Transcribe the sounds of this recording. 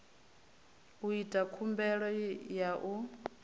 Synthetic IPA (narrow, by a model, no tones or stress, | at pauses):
uitʼakʰumbɛɺɔjaʔu